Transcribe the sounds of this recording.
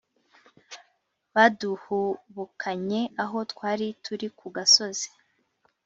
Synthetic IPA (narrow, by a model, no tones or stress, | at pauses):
βaduhuβukʰaɲe̞aɦo̞tkwaːɾitʰuɾikʰuɡaso̞zi̥